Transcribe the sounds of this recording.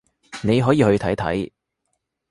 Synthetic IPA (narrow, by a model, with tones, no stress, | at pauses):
ne˨˧jɦɔː˨˥jiː˨˧hɵ˧ɥt̪ʰɐ˨˥jt̪ʰɐ̰˨˥j